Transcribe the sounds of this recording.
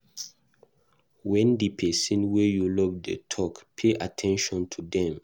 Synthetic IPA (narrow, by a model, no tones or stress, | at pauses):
wɛ̃ndipʰɛsĩnwɛjulɔvdə̰tʰɔkpʰeʔatʰɛ̃nʃɔ̃ntʰudɛ̃m